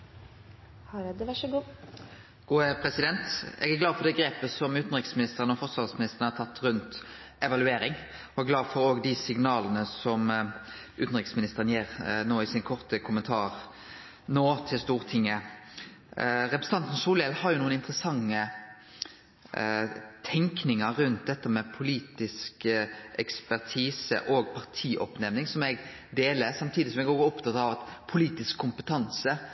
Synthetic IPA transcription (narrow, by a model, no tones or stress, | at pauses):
hɑɾd̪ɛʋæʂəɡu | ɡ̥uːɛpʰɾɛsɪd̪ɛnt̪ɛ̰ɡæɡlɑːd̪fɔɖ̪ɛːɡɾeːpəsɔmʉːt̪n̩ʁɪksmɪnɪst̪əʁənɔfɔɾsʋɑlsmɪnɪst̪ʁənəhɑɾt̪ʰɑt̪ːɾʉnt̪ | ɛʋɑlʉeːɾɪŋ | ɔɛɡlɑːd̪fɔɾoːɡd̪ɪsɪŋnɑːlənəsɔm | ʉːt̪n̩ɾʁɪksmɪnɪst̪əʁənjeːʁnoːɪsɪnkʰɔʁt̪əkʰʊmənt̪ʰɑːɾ | noːt̪ʰɪlst̪uːʁt̪ʰɪŋːə | ʁɛpɾəsən̩ʰɑnt̪n̩suːlɛːlhɑɾjʊnuːənɪnt̪ʁəsɑŋːə | t̪ʰɛŋknɪŋəɾʉnt̪̚d̪ɛt̪ːəmɛpʰʊliːt̪ɪskʔɛkspæʁt̪ʰiːsə̰ʔoːɡpʰɑʁt̪ʰiːʔɔpnɛʋnɪŋsɔmɛɡ | d̪eːləsɑmt̪ʰiːd̪ɪsɔmɛɡoːɡɔpt̪ʰɑt̪ɑʋɑt̪pʰʊliːt̪ɪskʰːʊmpət̪ʰɑnsə